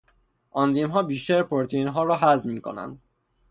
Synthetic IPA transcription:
ʔɒnd̪iːmɦɒːbiːʃt̪æɾpʰoɾt̪ʰinɦɒːɾɒːɦæzmiːkʰo̰næ̰nd̪̥

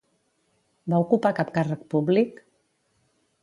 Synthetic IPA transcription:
baukupakapkarək̚publik

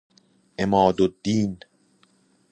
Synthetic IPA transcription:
ʔemɒːd̪od̪ːiːn

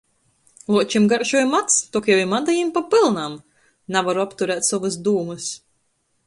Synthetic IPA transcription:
lˠuɔt͡ʃimɡaɾʒujmat̪st̪ɔkjɛwimad̪ajimpapɨlˠnam | navaɾuapt̪uɾæːt̪ʲsɔvɨsd̪uːmɨs

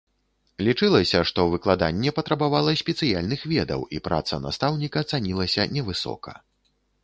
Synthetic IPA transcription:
lʲit͡ʂɨlˠɐsʲɐʂt̪ɔvɨklˠad̪anʲːɛpɐt̪ɾɐbavalˠɐsʲpʲɛt̪sɨjalʲnɨxvʲɛd̪ɐ̰wipɾʔa̰t̪sɐ̰na̰st̪awnʲikɐt̪sanʲilˠɐsʲɐ̰nʲɛvɨsɔ̰kɐ̰

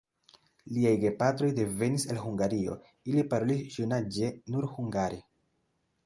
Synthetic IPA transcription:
liajɡe̞patɾo̞jde̞ve̞nisalɦuŋɡaɾio̞̰ | ilipaɾo̞lisʒunad͡ʒe̞nuɾhuŋɡaɾi

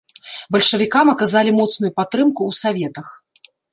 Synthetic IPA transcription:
bɐlʲʂɐvʲikamɐkazalʲimɔt̪snujupat̪ːɾɨmkuːsavʲɛt̪ɐx

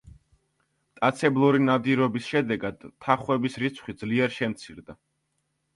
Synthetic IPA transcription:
t̪ʼat̪sʰɛblˠuɾinad̪iɾɔbisʃɛd̪ɛɡad̪̥t̪ʰːaχwɛbisɾit̪sʰχwid̪zliɛɾʃɛmt̪sʰiɾd̪a

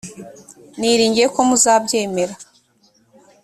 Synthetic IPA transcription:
niɾiːɲɟieko̞muzaːbɟe̞ːme̞ɾa

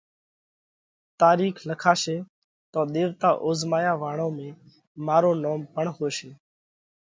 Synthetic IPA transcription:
t̪aːɾiːkʰləkʰaːʃeː | t̪õːɗ̪eːʋt̪aːʔoːzmaːjaːʋaːɳõːmẽː | maːɾoːnoːmpəɳhoːʃeː

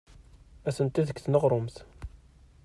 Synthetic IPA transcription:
æsənt̪iðəkːθnəʁɾˤʊmθ

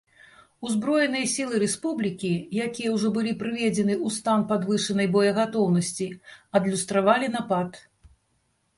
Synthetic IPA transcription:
uzbɾɔjɛnɨjɐsʲilˠɨɾɛspublʲikʲijakʲijɛwʐɔbɨlʲipɾɨvʲed͡zʲɛnɨust̪anpad̪vɨʂɨnɐjbɔjɐɣat̪ɔwnɐsʲt͡sʲiɐd̪lʲust̪ɾavalʲin̪apat̪

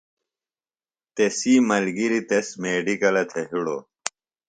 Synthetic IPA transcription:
t̪esiːmɐlɡiɾit̪esmeːɖikɐlɐt̪ʰeɦiɽo̰ː

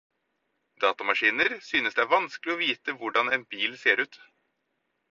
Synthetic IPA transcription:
d̪ɑːt̪ɑmɑʂiːnəɾsyːnəsd̪ɛæɾʋɑnsklɪɔʋiːt̪əʋʊɖɑneːnbiːlseːɾʉːt̪

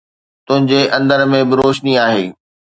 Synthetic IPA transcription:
t̪ʊ̃ɦɪ̃ɲd͡ʑeʔɐ̃nd̪əɾmẽbɪɾoːʃniaːɦeː

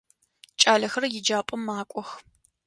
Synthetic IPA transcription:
t͡ʃʼaːɮɐxɐrjɪd͡ʒaːpʼɐmːaːkʷʼɔx

